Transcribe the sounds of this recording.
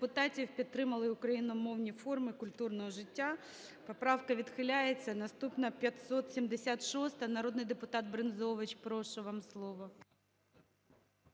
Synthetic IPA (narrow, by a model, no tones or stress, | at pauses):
pʊt̪ɑtʲiwpʲidt̪̚ːɾɪmɐlˠɪʊkɾɐjinʊmɔwnʲifɔrmɪkʊlʲt̪urnɔɦɔʒɪtʲːa | pɔpɾɑwkɐʋʲid̪xɪlʲajet͡sʲːɐnɐst̪upnɐpʲjɐt̪sɔt̪sʲimd̪esʲat̪ʃɔst̪ɐnɐɾɔd̪nɪjd̪epʊt̪ɑd̪̚bɾenzɔʋɪt͡ʃpɾɔʃɔʋɑmslˠɔʋɔ